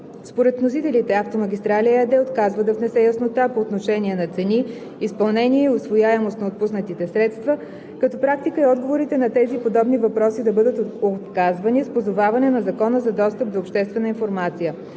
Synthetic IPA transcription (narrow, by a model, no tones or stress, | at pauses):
spoɾɛt̪vnos̬it̪ɛlit̪ɛaft̪omɐɡʲist̪ɾaliəɛd̪ɛot̪kazvəd̪ɐvnɛsɛjɐsnot̪apoːt̪noʃɛnʲiɛnɐt̪sɛni | ispɐlˠnɛniɛiosvojaɛmost̪nɐot̪̚pusnət̪it̪ɛsɾɛt̪st̪və | kɐt̪ɔpɾak̚t̪ikəiɔd̪ɡovoɾit̪ɛnɐt̪ɛzipod̪ɔbnivɐpɾɔsid̪ɐbɤd̪ət̪ot̪kazvɐnispozovavɐnɛnɐzɐkɔnəzɐd̪ɔst̪əp̚d̪oːpʃt̪ɛst̪vɛnəinfoɾmat̪sijə